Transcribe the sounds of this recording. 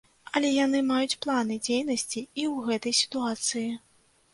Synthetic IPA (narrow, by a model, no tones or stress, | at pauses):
ɐlʲɛjanɨmajut͡sʲplˠan̪ɨd͡zʲejnɐsʲt͡sʲiiwɣɛt̪ɐjsʲi̥t̪uat̪sɨji